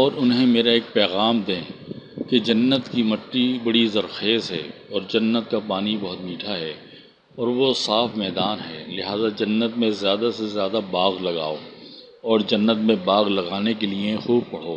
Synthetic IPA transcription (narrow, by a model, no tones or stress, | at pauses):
ɔːɾʊnɦẽmeːɾaeːk̚pɛːɣaːmd̪ẽːked͡ʒɐnːət̪kimɐʈːibɐɽizɐɾxeːzɦɛ̰ː | ɔːɾd͡ʒɐnːət̪kapaːnibɐɦʊt̪miːʈʰaɦɛː | ɔːɾʋosaːfmɛːd̪aːnɦɛːlɪɦaːzad͡ʒɐnːət̪̚mẽzjaːd̪asezjaːd̪abaːɣlɐɡa̰ːoː | ɔːɾd͡ʒɐnːət̪mẽbaːɣlɐɡaːnek̬eliexuːb̚pɐɽ̤oː